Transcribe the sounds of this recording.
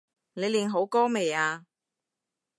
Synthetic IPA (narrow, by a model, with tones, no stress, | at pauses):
ne˨˧jliː˨nɦo˨˥wkɔː˥me˨jaː˧